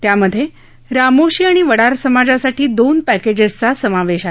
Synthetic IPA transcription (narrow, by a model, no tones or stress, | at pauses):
t̪jaməd̪ʱːje | ɾamoɕiːaɽ̃iʋəɽaɾsəmad͡ʑasaʈʰiːd̪onpæked͡ʑezt͡sasəmaʋeɕa